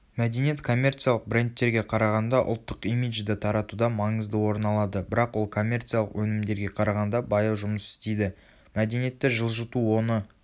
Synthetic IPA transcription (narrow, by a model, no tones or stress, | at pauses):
mæd̪e̞nje̞t̪kʰo̞mʲːe̞rt̪sɨialˠəq̚bɾʲe̞nt̪ːe̞ɾɡʲe̞qʰɑɾɑʁɑnd̪ɑʔʊ̰lˠt̪ːəqimid͡ʒd̪ɪt̪ʰɑɾɑt̪ud̪ɑmɑɴəzd̪əwo̞ɾənɑlˠɑd̪əbɪɾɑqwo̞lˠkʰo̞mʲːe̞rt̪sɨjalˠəqwɵnɪmd̪e̞ɾɡʲe̞qʰɑɾɑʁɑnd̪ɑbɑjɑwʒʊməsɪ̥st̪e̞jd̪ɪ | mæd̪enije̞t̪ːɪʒəlˠʒət̪uwo̞nə